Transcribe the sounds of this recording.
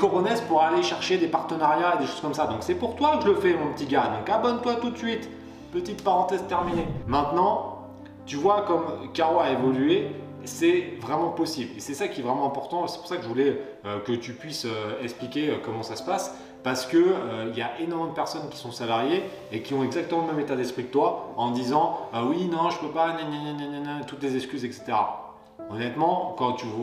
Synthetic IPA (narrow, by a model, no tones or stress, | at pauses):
kɔʁɔnɛzpuʁaleʃɛʁʃed̪epaʁt̪ənaʁjaed̪eʃoz̥kɔmsad̪ɔ̃ksɛpuʁt̪waʒələfɛmɔ̃pət̪iɡad̪ɔ̃kabɔnt̪wat̪ut̪sɥit̪ | pət̪it̪paʁɑ̃t̪ɛzt̪ɛʁminemɛ̃t̪nɑ̃ | t̪yvwakɔmkaʁoaevɔlye | sɛvʁɛmɑ̃pɔsiblesɛsakʲiɛvʁɛmɑ̃ɛ̃pɔʁt̪ɑ̃sɛ̥pu̥ʁsakəʒəvulɛ | økət̪ypɥisøɛksplikʲeøkɔmɑ̃sasə̥pas | paʁsə̥kəøiljaʔenɔʁmɑ̃d̪əpɛʁsɔnkʲi̥sɔ̃salaʁje | ekʲiɔ̃ɛɡzak̚t̪əmɑ̃ləmɛmet̪ad̪ɛspχikə̥t̪waɑ̃d̪izɑ̃øwinɔ̃ʒəpøpanɛ̃nɛ̃nɛ̃nɛ̃nɛ̃nɛ̃t̪ut̪lezɛskʲyzɛkse̥t̪eʁa̰ | ɔnɛt̪mɑ̃kɑ̃t̪y